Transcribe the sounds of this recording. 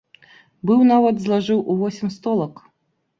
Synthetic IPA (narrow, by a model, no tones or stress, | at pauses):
bɨwnavɐd̪zlˠaʐɨwʔuvɔsʲimʲst̪ɔlˠɐk